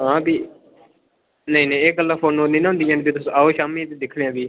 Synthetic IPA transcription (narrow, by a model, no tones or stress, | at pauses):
ɦãːbiː | nəĩːnẽeːɡəlːãːfʰoːnoːnĩːnãɦʊ̃nd̪iːɦãːnbiːt̪ʊsõaːoːʃaːmiːt̪eːd̪ɪkʰɽeãːbiː